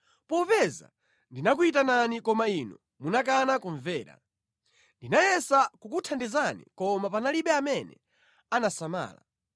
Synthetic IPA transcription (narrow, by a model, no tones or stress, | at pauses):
pɔpɛza̰ | ndinakuit̬ananikɔmainɔ | munak̬anakuɱvɛːɾa̰ | ndinajɛsakukutʰandɛzanḭkɔmapanaliɓɛamɛnɛ̰ | anasama̰ːla̰